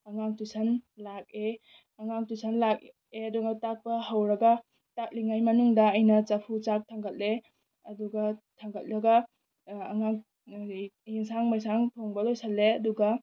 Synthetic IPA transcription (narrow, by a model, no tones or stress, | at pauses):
ɐŋaŋtusɐnlak̚e | ɐŋaŋtusʰɐnlak̚ | eɐduɡatak̚pɐhawɾɐɡɐ | tak̚liŋajmɐnuŋdɐːjnɐt͡ʃapʰut͡ʃak̚tʰaŋɡɐt̚le | ɐduɡɐtʰaŋɡɐt̚ɾɐɡɐː | ŋaŋ | iŋsaŋmajsaŋtʰoŋbɐlojsalːeɐduɡɐ